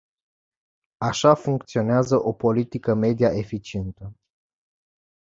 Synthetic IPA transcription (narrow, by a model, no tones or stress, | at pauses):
aʃafuŋkt̪sio̞neazəʔo̞po̞lit̪ikəme̞d̪ijaʔe̞fit͡ʃie̞nt̪ə